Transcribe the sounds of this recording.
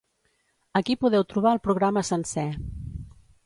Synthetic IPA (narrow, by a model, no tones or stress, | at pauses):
əkipuðɛwt̪ɾuβaəlˠpɾuɣ̞ɾaməsənsɛ